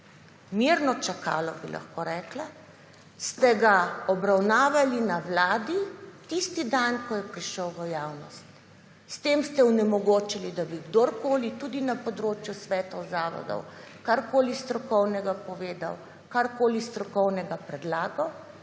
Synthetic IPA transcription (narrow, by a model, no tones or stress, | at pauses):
miɾnɔt͡ʃaka̰ːlɔbilʔa̰xkoɾɛːkla | st̪ɛɡaɔbɾawnaːʋalinawlaːd̪it̪ist̪id̪ankɔjɛpɾiʃəwʋəjaːwnɔst̪ | st̪emst̪ɛunɛmɔɡoːt͡ʃalid̪abiɡd̪oɾkoːlit̪ud̪inapɔd̪ɾoːt͡ʃjusʋɛːt̪ɔzaːʋɔ̰d̪ɔ̰wkaɾkoːlist̪ɾɔkɔwnɛɡapɔʋeːd̪a̰w | kaɾkoːlist̪ɾɔkɔwnɛɡapɾɛd̪laːɡɔw